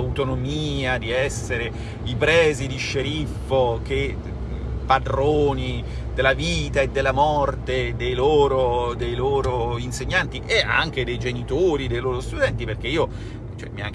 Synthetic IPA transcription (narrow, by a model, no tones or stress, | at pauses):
ut̪onomiːad̪iɛsːeɾe | ipɾɛːzid̪iʃːeɾifːok̟e | pad̪ɾoːni | d̪elːaviːt̪aed̪ːelːamɔrt̪ed̪ejloːɾod̪ejloːɾoinseɲːant̪iʔea̰ŋk̟ed̪ejd͡ʒenit̪oːɾid̪ejloːɾost̪ud̪ɛnt̪iperk̟eiːo | t͡ʃoɛ̰mia̰ŋk